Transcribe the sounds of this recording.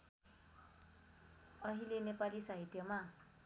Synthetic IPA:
ʌɦilenepalisaɦit̪jʌma

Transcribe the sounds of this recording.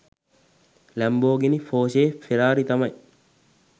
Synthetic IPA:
lɐmboːɡenifoːʃeːfiɾaːɾit̪ɐmɐj

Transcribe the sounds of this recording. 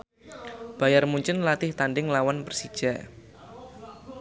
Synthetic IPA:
b̥ajarmuɲt͡ʃɪnlat̪ɪht̪aɳɖɪŋlawanpərsid̥ʒ̥aʔ

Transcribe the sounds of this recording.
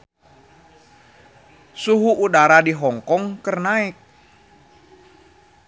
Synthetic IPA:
suɦuʔːdaɾadiɦɔŋkɔŋkərnaɪk̚

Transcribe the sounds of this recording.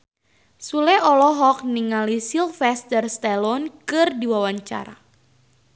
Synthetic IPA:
sulɛɔlɔɦɔk̚niŋalisilfɛst̪ərst̪ɛlɔnkɨrdiwawaɲt͡ʃa̰ɾa̰

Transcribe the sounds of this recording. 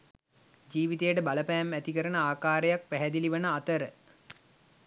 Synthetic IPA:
d͡ʒiːʋit̪ejəʈəbaləpæːmæt̪ikəɾənəaːkaːɾejak̚pæɦæd̪iliʋənəat̪əɾə

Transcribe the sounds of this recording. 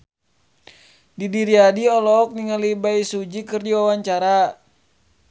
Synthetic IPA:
didiɾiadiɔlɔk̚niŋalibaisud͡ʒikɨrdiwawaɲt͡ʃaɾa

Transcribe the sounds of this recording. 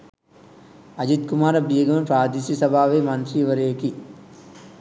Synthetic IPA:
ɐd͡ʒit̪kumaːɾɐbiːɡɐmɐpɾaːd̪ʱisisɐbʱaːʋeːmɐnt̪ɾiʋɐɾeːki

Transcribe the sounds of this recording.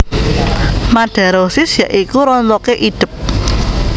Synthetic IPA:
maɖ̥a̤ɾosɪsjaʔikuɾɔnt͡sɔkeʔiɖ̥ɪ̤p̚

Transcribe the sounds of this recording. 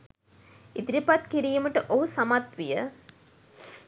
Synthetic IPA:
it̪iɾipat̪̚kiɾijməʈəʔoɦusamat̪ʋijə

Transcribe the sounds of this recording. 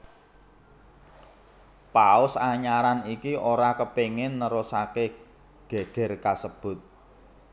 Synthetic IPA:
paʊsaɲaɾanikiʔoɾakəpeŋɪnːəɾusake | ɡ̥ɛ̤d̥ɛ̤rkasəb̥ʊ̤t̪̚

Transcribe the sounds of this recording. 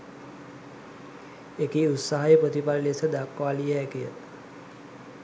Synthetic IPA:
ekiut̪saɦajəpɾot̪ipallesəd̪akʋaːlijəɛkijə

